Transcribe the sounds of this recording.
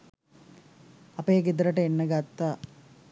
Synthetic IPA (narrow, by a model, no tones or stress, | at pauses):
ɐpəjəɡid̪əɾəʈəenːəɡat̪ːaː